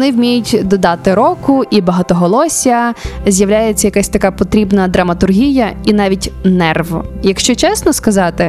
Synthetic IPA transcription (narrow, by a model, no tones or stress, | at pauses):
ɔnɪwmʲijʊtʲd̪ɔd̪ɑt̪ɪɾɔkʊʔibɐɦɑt̪ɔɦɔlˠɔsʲɐzʲjɐwlʲajet͡sʲːɐjɐkasʲt̪ɐkapɔt̪ɾʲibnɐd̪ɾɐmɐt̪ʊrɦʲijɐinɑʋʲitʲnɛrʋɔjɐkʃt͡ʃɔt͡ʃɛsnɔskɐzɑt̪ɪ